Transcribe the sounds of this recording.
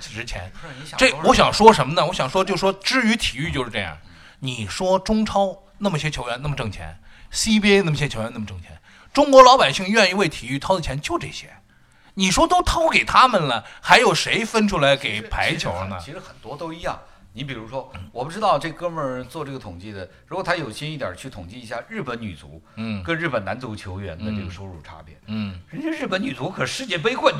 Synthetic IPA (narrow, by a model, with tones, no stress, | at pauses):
t͡s̩ʰ˨˩ʈ͡ʂɻ̩˧˥t͡ɕʰjɛ̰˧˥nʈ͡ʂe˥˩wɔ˧˥ɕjɑ˨˩ŋʂwɔ˥ʂə˧˥nmə˧nə˨wɔ˧˥ɕjɑ˨˩ŋʂwɔ˥t͡ɕjo˥˧ʊʂ̩˧ʂwɔ˥ʈ͡ʂɻ̩˥˩y˧˥t̪ʰi˨˩y˥˧t͡ɕjo˥˧ʊʂɻ̩˥˧ʈ͡ʂɤ˥˧jɑ̰˥˩ŋ | ni˨˩ʂwɔ˥ʈ͡ʂʊ˥ŋʈ͡ʂʰɑ˥ʊ | na˥˩mə˩i˥ɕɛ˥t͡ɕʰjo˧˥ʊɥɛ˧˥na˥˩mə˩ʈ͡ʂɤ˥˩ŋt͡ɕʰjɛ̰˧˥nsi˥pjɛ˥n˥˩mə˩˥ɕɛ˥t͡ɕʰo˧˥˧na˥˩ə˩ʈ͡ʂɤ˥˩ŋt͡ɕʰjɛ̰˧˥n | ʈ͡ʂʊ˥ŋkwɔ˧˥lɑ˧˥ʊpa˨˩ɪɕi˥˧ŋɥɛ˥˧ni˧˥we˥˩ɪt̪ʰi˨˩y˥˩t̪ʰɑ˥ʊd̪ə˨t͡ɕʰjɛ˧˥nt͡ɕjo˥˧ʊʈ͡ʂɤ˥˩ɕjɛ̰˥ | ni˨˩ʂwɔ˥t̪o˥ʊt̪ʰɑ˥ʊke˨˩ɪt̪ʰa˥mə˨nlə˩xa˧˥ɪjo˨˩ʊʂe˧˥ɪfə˥nʈ͡ʂʰu˥la˧˥ɪke˨˩ɪpʰa˧˥ɪ˥t͡ɕʰjo̰˧˥ʊnə̰˧i˧˥ʂɻ̩˧˥xə˨˩nt̪wɔ˥t̪o˥ʊi˧˥jɑ̰˥˩ŋ | ni˧˥p̬i˨˩ɻu˧˥ʂwɔ˥wɔ˨˩pu˧˥ʈ͡ʂɻ̩˥t̪ɑ˥˧ʊʈ͡ʂɤ˥˩ɡə˩kə˥mə˥˧ɻə˧˥nt͡swɔ˥˧ʈ͡ʂɤ˥˩ɡə˩t̪ʰʊ˨˩ŋt͡ɕi˥˩d̪ə˩ɻu˧˥kwɔ˨˩t̪ʰa˥jo˨˩ʊɕɛ˥ni˥˩t̪jɐ̰˨˩t͡ɕʰy˥˩t̪ʰʊ˨˩ŋt͡ɕi˥˩i˧˥ɕja˥˧ɻɻ̩˥˩pə˧˥nny̰˨˩t͡sṵ˧˥kə˥nɻ̩˥˩pə˩na˧˥nt͡su˧˥t͡ɕʰjo˧˥ʊɥɛ̰˧˥nd̪ə˧ʈ͡ʂɤ˥˩ɡə˩ʂo˥ʊɻu˥˩ʈ͡ʂʰa̰˥pjɛ̰˥˩nɻə˧˥nt͡ɕʰɛ˥ɻ̩˥˩pə˧˥ny˨˩t͡su˧˥kʰɤ˨˩ʂɻ̩˥˧t͡ɕjɛ˥˩p̬e˥ɪxwə˥˩n